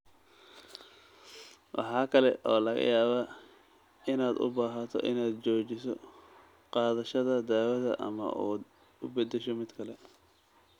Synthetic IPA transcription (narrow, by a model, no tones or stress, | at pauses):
wʔɑ̰ħɑːkʰɐlɛʔɔːlɐɣɐ̰jaːβaː | ɪnaːd̪ʊ̰baːɦɐt̪ʰɔ̰ʔɪ̰naːd̪t͡ʃɔːt͡ʃɪsɔ | qɑːðɐʃɐðɐd̪aːwɐðɐ̰ʔɐ̰mɐ̰ʔuː | ʊbɐd̪ɛʃɔmɪd̪kʰɐlɛ